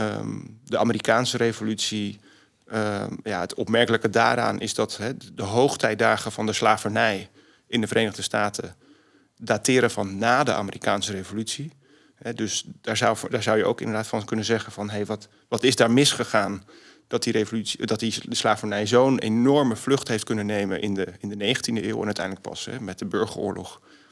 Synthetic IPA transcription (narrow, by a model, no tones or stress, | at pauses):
ə̰dəʔa̰ːməɾikaːnsəɾejvolytsi | ja̰ətʰɔpmɛɹkələkəda̰ːɾa̰ːnʔɪzdɑtɦɛdəɦowχtɛj̚daːχəvɑndəslaːvənɛj | ɪndəvərɾejnəʁdəstaːtʰə | daːtɪːɾəvɑnːaːdə̰ʔa̰ːmərikaːnsərejvolytsi | ɦɛdɵsd̥aːɹzʌwdaːɹzʌwjəo̰wkɪndəɹdaːtfɑnkɵnənzɛχənvɑnɦejʋɑt | ʋɑtɪzdaːɹmɪsχəχaːn | d̥ɑt̚direjvolytsidɑtiəslaːvənɛjzownenɔɹməv̥lɵχtɦejft̚kɵnənejmənʔɪ̰ndəɪndənejχəntindəeːwɛnœɥtɛ̰jndlək̚pɑ̰sɛ̰mɛt̚dəbøɹχəɹʊ̰ːɹlʔɔ̰χ